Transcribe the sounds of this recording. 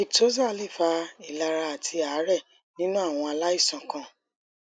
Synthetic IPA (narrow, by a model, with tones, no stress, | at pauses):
i˨to˨˦za˦˨˧li˦˨fa˧i˨la˨˧ɾa˧a˨tʰi˧a˨˦ɾɛ˦˨ | nĩ˦nũ˦a˦˨w̃ɔ̃˧a˧la˦i˦˨sã˨kã˨